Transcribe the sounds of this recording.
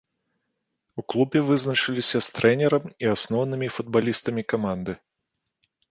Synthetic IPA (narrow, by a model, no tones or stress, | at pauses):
uklˠubʲɛvɨznɐt͡ʂɨlʲisʲɐst̪ɾʔɛnʲɛɾɐmiasnɔwnɨmʲifud̪̚balʲist̪ɐmʲikamand̪ɨ